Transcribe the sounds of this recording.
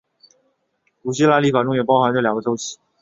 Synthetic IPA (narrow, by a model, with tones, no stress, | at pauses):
ku˨˩ɕi˥la˥˧li˥˩fa˨˩ʈ͡ʂʊ˥ŋjɥɛ˨˩pɑ˥ʊxa˧˥nʈ͡ʂɤ˥˩ljɑ˨˩ŋɡə˧t̪o˥ʊɕi˨˩